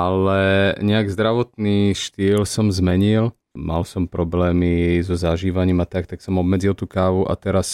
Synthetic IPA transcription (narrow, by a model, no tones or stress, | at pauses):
ʔalɛɲɛaɡzd̪ɾaʋɔt̪niːʃt̪iːlsɔmzmɛɲil | mʔa̰lsɔmpɾɔblɛːmizɔzaʒiːʋaɲiːmat̪akt̪aksɔmɔbmɛd͡zilt̪uːkaːʋuʔa̰t̪ɛɾas